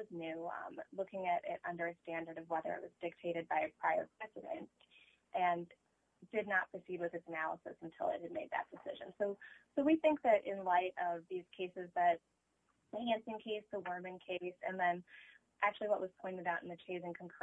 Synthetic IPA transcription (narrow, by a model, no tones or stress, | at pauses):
ʌznʉ̰̃mlʊkɪ̃ŋɨɾɪ̰ɾʔʌ̰̃ndə˞ɨstæ̃ndə˞ɾʌvwɛðə̰˞ɨ̰ʔ̚wʌzdɪk̚tʰeɪɾɨd̚baɪɨpʰɹ̥aɪə̰˞pʰɹ̥ɛzɨɾɨ̰̃nt̚ | ʔɨ̃n | dɨdⁿnət̚pʰɹ̥ɨsid̚wɨðɨtsɨnælˠəsɨ̰sn̩tʰɪ̰lˠɨ̰t̚hɨd̚meɪd̪̚ðɨ̰t̚d̥ɨsɪ̰ʒɨ̃nsoʊsoʊwiθɪ̃ŋk̚ðɨɾʔɪ̃nlaɪɾʌvðiz̥kʰeɪsɨzðɨt̚ | ɨhæ̃nsɪ̃ŋkʰeɪsðəwɜ̃˞mɨ̃nkʰeɪsɨ̰̃nðɨ̃n | ʔæk̚t͡ʃʉl̩ˠiwʌʔ̚wʌz̥pʰɔ̃ɪ̃ntɨɾaʊɾn̩ðɨt͡ʃʰeɪzɪ̃ŋkʰə̃n̩kʰ